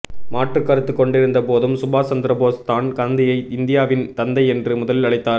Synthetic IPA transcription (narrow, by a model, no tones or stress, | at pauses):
maːʈrɯkːɐɾɯt̪ːɯkːɔɳɖɪɾɯnd̪ɐpoːðɯmsʊbaːt͡ʃɐnd̪ɪɾɐboːst̪aːnkɐnd̪ɪjɐɪʔɪnd̪ɪjaːʋɪnt̪ɐnd̪ɐɪɛndrɯmʊðɐlɪlɐɭɐɪt̪ːaːɾ